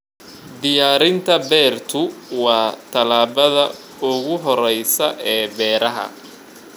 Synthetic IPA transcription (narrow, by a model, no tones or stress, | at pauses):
d̪ɪjaːɾɪnt̪ʰɐbɛːrt̪ʰʊwɑːt̪ʰɐlaːβɐðɐ | ʊɣʊɦɔɾɛjsɐʔɛːbɛːɾɐɦɐ̰